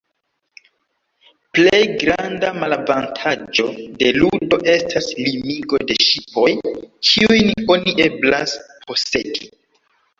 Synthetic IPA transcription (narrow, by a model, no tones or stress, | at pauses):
ple̞jɡɾandamalavantʰad͡ʒo̞de̞ludo̞ʔe̞stʰaslimiɡo̞de̞ʃipo̞jkʰiujno̞niʔeblaspʰo̞se̞̰ɡi